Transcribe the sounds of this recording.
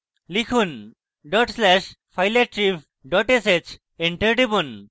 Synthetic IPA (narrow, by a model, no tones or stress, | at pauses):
likʰun | ɖɔʈslɛʃ | pʰajleʈ̚ʈɾib | ɖɔʈeset͡ɕ | eɳʈeʈibun